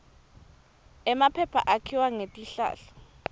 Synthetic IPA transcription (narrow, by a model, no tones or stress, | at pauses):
ɛmapʰɛpʰa̰ʔakʰiwaŋetʼiɬa̰ːɬɔ̥